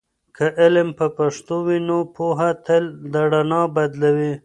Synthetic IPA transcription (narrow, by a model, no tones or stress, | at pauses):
kʰaʔɪlmpəpaʂt̪owinopoɦat̪eld̪aɽanɑbad̪lawi